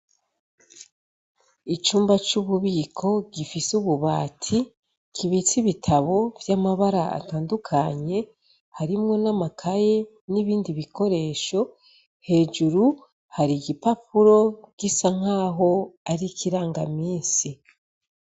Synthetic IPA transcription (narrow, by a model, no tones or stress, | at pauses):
it͡ʃuːmbat͡ʃuβuβiːkʰo̞ɡifisuβuβa̰ːtʰi | kʰiβit͡siβitʰaβo̞vjamaβaɾaa̰taːndukʰaɲe̞ | haɾimŋo̞namakʰaje | niβiːndiβiko̞ɾe̞ːʃo̞ | he̞ːd͡ʒuɾu | haɾiɡipapuɾo̞ɡ̥isaŋ̥aːɦo̞aɾikʰiɾaːŋɡamiːnsi